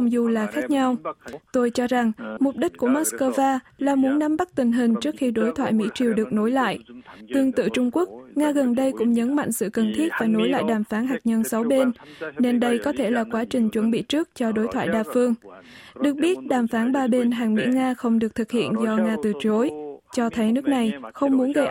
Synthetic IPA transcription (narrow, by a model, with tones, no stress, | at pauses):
wŋ͡mzu˨˩laː˨˩xaː˦˥k̚ɲa˧wt̪o˧jt͡ɕɔ˧za˨˩ŋmʊ˨˩k͡p̚ɗï˦˥ku˧˩əmaː˦˥t̚skəː˧vaː˧ | laː˨˩mu˨˦nːa˨˦mɓa˦˥k̚t̪ï˨˩ŋ̟ɦï˨˩ŋ̟t͡ɕɨ˦˥ək̚xi˧ɗo˨˦jt̪ʰwa̰ː˧˨jmḭ˧˥t͡ɕi˨˩əwɗɨ˨˩ək̚no˨˦jla̰ː˧˨jʔt̪ɨ˧˩əŋt̪ɨ̰˧˨t͡ɕʊ˧ŋ͡mku˦˥ək̚ŋaː˧ɣə˨˩nɗə˧jkʊ̰˧˥ŋ͡mɲə˨˦nma̰˧˨jŋ̟sɨ̰˧˨kə˨˩nt̪ʰi˦˥t̚vaː˨˩no˨˦jla̰ː˧˨jɗaː˨˩mfaː˨˦nɦaː˨˩k̚ɲə˧nsa˨˦wɓe˧nne˧nɗə˧jkɔ˨˦t̪ʰe˧˩laː˨˩kwaː˨˦t͡ɕï˨˩ŋ̟t͡ɕwə˧˩nɓḭ˧˨t͡ɕɨ˦˥ək̚t͡ɕɔ˧ɗo˨˦jt̪ʰwa̰ː˧˨jɗaː˧˩fɨ˧əŋɗɨ˨˩ək̚ɓi˦˥ət̚ɗaː˨˩mfaː˨˦nɓaː˧ɓe˧nɦaː˨˩ŋmḭ˧˥ŋaː˧xə˧wŋ͡mɗɨ˨˩ək̚t̪ʰɨ˨˩k̚hḭ˧˨ənzɔ˧ŋaː˧t̪ɨ˨˩t͡ɕo˨˦jt͡ɕɔ˧t̪ʰə˨˦jnɨ˦˥ək̚na˨˩jxə˧wŋ͡mmu˨˦ənɣə˧jʔ